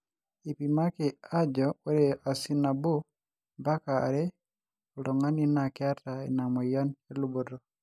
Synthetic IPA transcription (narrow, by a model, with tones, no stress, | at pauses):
i˨pi˨ma˦ke˨a˦d͡ʒɔ˨o˦ɾe˨ʔa˨si˦na˨bo˦ | ba˦ka̰ː˨ɾɛ˦ | u˨lo˨ŋa˦ni˦na˨kɪa˦ta˨e˨na˨mɔ˨jɔ˦ne˦lu˦bo˨ɾɔ˨